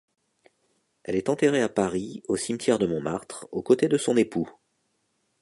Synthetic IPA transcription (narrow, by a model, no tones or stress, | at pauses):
ɛlɛt̪ɑ̃t̪eʁeapaʁiosimt̪jɛʁd̪əmɔ̃maʁt̪χokot̪ed̪əsɔ̃nepu